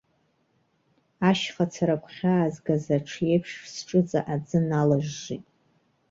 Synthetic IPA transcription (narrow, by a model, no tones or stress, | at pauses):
aʃχat͡sʰaɾakʷʰʼχʲaːzɡazaʈ͡ʂʰjejpʰʃsʈ͡ʂʼɨt͡sʼa̰ʔad͡zɨnalaʒːitʼ